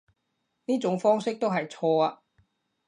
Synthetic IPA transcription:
niː˥t͡sʊ˨˥ŋfɔː˥ŋsɪ˥k̚t̪o˥wɦɐ˨jt͡sʰɔː˧aː˧

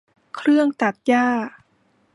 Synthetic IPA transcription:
kʰɾɯ˥˩əŋt̪a˨˩t̪̚jaː˥˩

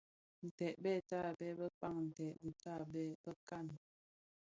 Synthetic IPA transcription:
n̩˨tɛ˨ʔbɛ˦˨ta˦˨bɛ˦bə˦pa˦˨ŋn̩˨tɛ˨ʔbi˨ta˦˨bɛ˦bə˦ka˦˨n

